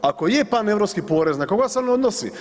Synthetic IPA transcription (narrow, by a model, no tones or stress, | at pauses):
akojepanevɾopskipoɾeznakoɡaseonod̪nosḭ